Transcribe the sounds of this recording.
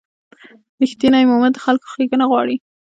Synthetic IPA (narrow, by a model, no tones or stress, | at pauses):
nɪxt̪inajmomad̪ːəxalko̥xlikənaɣwɑɽi